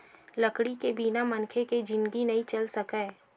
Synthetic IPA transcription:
lɐkɽikebinamɐ̃nkʰeked͡ʒɪ̃nɡinɐɦĩt͡ʃɐlsɐkɛː

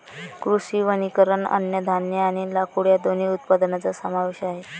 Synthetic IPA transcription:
kɾuʂiːʋənikəɾəɳə̰njəd̪ʱanjeaɽ̃ilakuɽjad̪oniːut̪̚pad̪nat͡sasəmaʋeɕaɦe

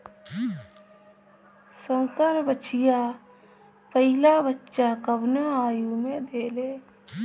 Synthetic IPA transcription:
sə̃ŋkəɾbət͡ʃija | pəɦɪlabətːʃakəbnaaːjumẽd̪eːleː

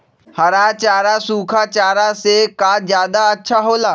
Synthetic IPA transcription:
hɐɾaːt͡ʃaːɾasuːkʰat͡ʃaːɾasekaːzjaːd̪aɐtːʃʰaɦoːlaː

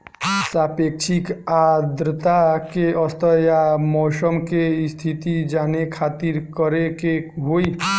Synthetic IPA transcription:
saːpekʃʰikad̪ɾət̪akeɔst̪ʰəjamɔːsəmkest̪ʰit̪id͡ʒaːnekʰaːt̪iɾkəɾekeɦoi

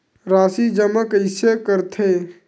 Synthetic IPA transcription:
ɾaːsid͡ʒəməkɪsekəɾt̪ʰeː

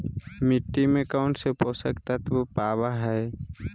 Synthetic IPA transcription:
mɪʈːimẽkaʊɳsepoːsəkt̪at̪ʋopaːʋaɦɛː

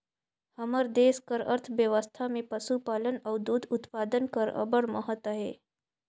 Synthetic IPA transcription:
həməɾd̪eːskəɾə̰ɾt̪ʰʋjəʋəst̪ʰamẽpəsupaːlənɐʋd̪ud̪ut̪paːd̪ənkəɾə̰bəɽməɦət̪əɦeː

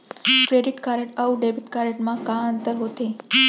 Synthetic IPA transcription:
kɾeɖiʈkaɾəʈəuɖebiʈkaɾəʈmãkãənt̪əɾɦot̪e

